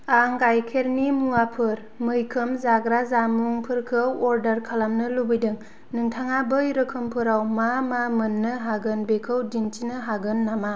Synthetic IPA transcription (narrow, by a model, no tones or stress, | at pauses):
aŋɡajkʰeɾnimuapʰɯɾ | mɯjkʰɯmzaɡɾazamuŋpʰɯɾkʰɯwɔɾdɐɾkʰalamnɯlubɯjdɯŋ | nɯŋtʰaŋabɯjɾɯkʰɯmpʰɯɾawmamamɯnːɯɦaɡɯnbekʰɯwdintinɯɦaɡɯnːama